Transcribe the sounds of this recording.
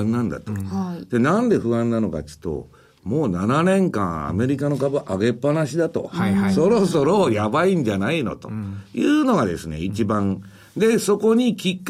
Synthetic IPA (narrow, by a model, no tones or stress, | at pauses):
nːãnd̪a̰t̪od̪̥e̞nãnd̪e̞ɸɯ̟ãnːano̞ka̰tɨ̥t̪ːo̰ | moːnananẽ̞ŋkã̰ɰ̃a̰me̞ɾʲikano̞kabɯʔaɡe̞pːanaɕid̪at̪o̞̰so̞ɾo̞so̞ɾojabaĩɲ̟d͡ʑanaino̞̰t̪o̰jɯːno̞ɡad̪e̞̰sɨne̞̰it͡ɕibãŋ | d̪e̞so̞ko̞ɲ̟ikʲikː